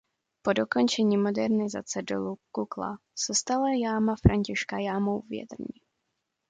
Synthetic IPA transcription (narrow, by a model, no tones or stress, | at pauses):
po̞doko̞nt͡ʃɛɲiːmo̞dɛɾnɪza̰t͡sɛdo̰lukukla̰ | sɛst̪alajaːmafɾʔaɲcɪʃkajaːmowvjɛ̰t̪r̩ɲɪ